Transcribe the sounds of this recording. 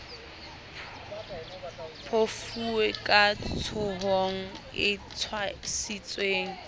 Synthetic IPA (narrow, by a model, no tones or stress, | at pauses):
pʰofuekʼat͡sʰʊɦoŋ̩ | ɪt͡sʰwasit͡sʼweːŋ̩